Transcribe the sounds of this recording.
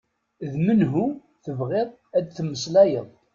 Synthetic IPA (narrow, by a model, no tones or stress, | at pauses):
ðmənɦu | θəvʁɪðˤ | æd̪θmːəslæjəðˤ